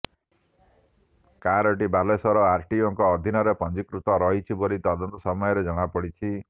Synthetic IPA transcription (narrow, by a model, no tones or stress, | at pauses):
kaɾɔʈibalesɔɾɔaɾʈiɔŋkɔːd̪ʱinɔɾepɔnd͡ʒikɾut̪ɔɾɔɦit͡ʃʰibolit̪ɔd̪ɔnt̪ɔsɔmɔjɔɾed͡ʒɔɽ̃apɔɽit͡ʃʰi